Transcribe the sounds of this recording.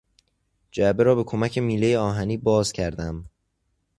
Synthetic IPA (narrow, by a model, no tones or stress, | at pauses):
d͡ʒæbe̞ɾɒːbe̞kʰo̞mæcʰe̞miːle̞jeɒːɦæniːbɒːzcʰæɾd̪æm